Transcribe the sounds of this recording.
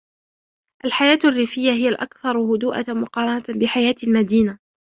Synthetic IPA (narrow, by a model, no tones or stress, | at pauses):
ʔalħajaːt̪arːɪːfɪjːaɦɪjalʔa̰kθɑɾˤhʊd̪uːʔa̰mʊqɑːɾˤɑnat̪bɪħajaːt̪lmad̪iːna